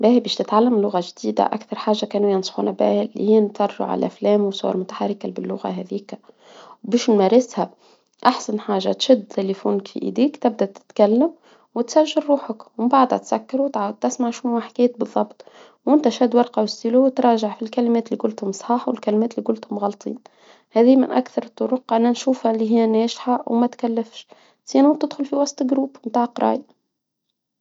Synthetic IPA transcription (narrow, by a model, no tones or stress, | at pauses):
bæːhibɛːʃt̪ɪt̪ʕalːamlːʊɣaʒd̪iːd̪a̰ʔa̰kθɑɾˤħaːʒːakæːnujɑnsˤxṵːnæbæ̰ːhlːḭhijːnt̪ɑrˤːṵʕa̰l̰ʔæ̰flɛːmwsˤowɑ̰ɾˤmʊt̪ḁħarːɪkalbɪlːʊɣa̰ɦæðiːk | wbiːʃnmæɾɪshæ | ʔaħsanħaːʒːa̰t̪ʃɪd̪t̪elifuːnkfḭʔḭd̪iːkt̪ɪb̚d̪æt̪ɪ̥t̪kælːəm | wɪt̪sæʒːɪlɾuːħəkwəmbaʕd̪hæ̰t̪sækːɑɾuwt̪ʕaːwd̪̚t̪ɪsmaʕʃnuaħkɛːt̪̚bɨðˤːɑbt̪ˤ | wʔɪnt̪æʃæd̪wɑɾˤqɑwsiluwt̪ɾˤɑːʒaʕfilkælimɛːt̪liːkʊlt̪hʊmsˤħɑːħwɪlkælmɛːt̪likʊlt̪hʊmɣɑlt̪ˤʰḭːn | hɛːðiːmɪ̰nʔæ̰kθɑɾˤt̪ˤːʊɾʊqʕanːænʃuːfhæliɦɪjːænɛːʒħawmæt̪kælːæfʃ | z̥iːænhʊt̪ɪd̪xʊlfiwɑsˤt̪ˤlɡɾuːbmt̪aːʕqɾˤɑ̰ːj